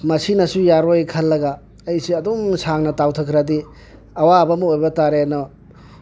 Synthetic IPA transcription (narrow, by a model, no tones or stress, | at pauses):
mɐsinɐsujaɾojkʰɐlːɐɡaː | jsiɐdumsaŋnɐtawtʰɐkʰɾɐdi | ɐwabɐmuojbɐtaɾenɔ